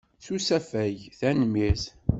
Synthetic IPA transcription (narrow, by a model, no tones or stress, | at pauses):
θusæfæjθænmiθ